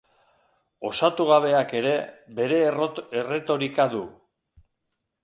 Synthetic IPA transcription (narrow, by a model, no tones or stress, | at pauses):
o̞sat̪uɣaβ̞e̞ake̞ɾe̞be̞ɾe̞ere̞t̪o̞ɾikaðu